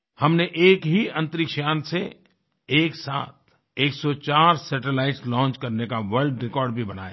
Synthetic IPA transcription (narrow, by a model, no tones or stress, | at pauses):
hɐmneʔeːkɦiɐ̃nt̪ɾɪkʃaːnse | eːksa̰ːt̪̚ʰ | eːksɔt͡ʃaːɾsɛʈelaːɪʈslɔ̃ːnt͡ʃkɐɾnekaʋəɾlɖɾɪkɔːɾɖbʱibɐna̰ːja̰